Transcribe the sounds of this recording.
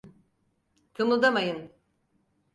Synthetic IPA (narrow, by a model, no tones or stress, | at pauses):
t̪ʰɯmɯlˠd̪amajɯn